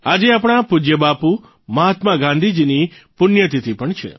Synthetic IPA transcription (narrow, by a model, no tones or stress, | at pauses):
ad͡ʒeapɽ̃apud͡ʒjəbapu | məɦat̪maɡãnd̪ʱid͡ʒinipʊnjət̪it̪ʰipəɳt͡ʃʰḛ